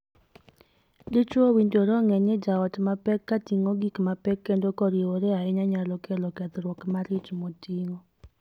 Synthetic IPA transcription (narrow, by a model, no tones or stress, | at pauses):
dɪt͡ʃwowindoɾɔŋɛɲɪd͡ʒaɔtmapɛkːatiŋoɡikmapɛkːendokɔɾioɾɛaɪɲaɲalɔkɛlɔkɛd̪ɾwɔkmaɾɪt͡ʃmotiŋo